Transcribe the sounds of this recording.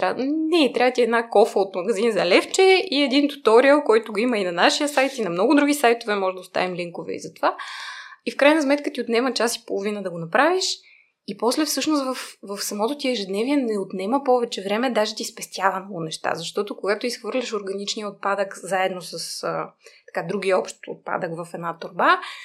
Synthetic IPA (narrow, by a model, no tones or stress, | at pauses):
t̪anɛt̪ɾʲavət̪ʲiɛd̪nakɔfəot̪mɐɡɐzinzɐlɛft͡ʃɛiɛd̪int̪u̥t̪ɔɾiəlˠkɔjt̪oɡoiməinɐnaʃijəsajt̪inɐmnɔɡʊd̪ɾuɡʲisajt̪ovɛmɔʒd̪ʊst̪a̰vimliŋkovɛ̰ḭzɐt̪ova | ifkɾajnɐsmɛt̪̚kət̪iot̪nɛmət͡ʃasi̥polˠovinəd̪ɐɡonɐpɾaviʃ | ipɔslɛfsɤʃnost̪vɐfvɐfsɐmɔt̪ot̪iɛʒɛd̪nɛviɛnɛot̪nɛməpɔvɛt͡ʃɛvɾɛmɛd̪aʒɛt̪ispɛst̪ʲjavɐnolˠonɛʃt̪a̰zɐʃt̪ɔt̪okoɡat̪oisxvɤɾlʲəʃoɾɡɐnit͡ʃniəot̪̚pad̪əkzaɛd̪nosəsət̪ɐ̥kad̪ɾuɡiəɔpʃt̪o̰t̪̚pa̰d̪əkvɐfɛd̪nat̪oɾba